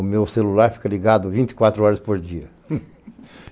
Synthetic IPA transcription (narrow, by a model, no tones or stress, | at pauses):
ʊmewselulaɾfi̥kɐliɡad̪ʊvĩnt̪i̥kwat̪ɾʊɔɾɐzd̪epozd̪d͡ʒiɐ